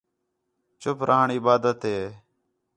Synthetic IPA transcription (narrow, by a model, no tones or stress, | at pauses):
t͡ʃʊpɾʔaːəɳɪbaːd̪ət̪ɦeː